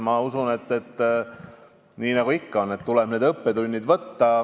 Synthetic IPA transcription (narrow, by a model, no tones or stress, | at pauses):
mɑusune̞t̪ːe̞t̪ː | niːnɑɡ̥uikːɑo̞nːe̞t̪t̪ulɛb̥ne̞ːd̪ɤpːed̪unʲːid̪vɤt̪ːɑ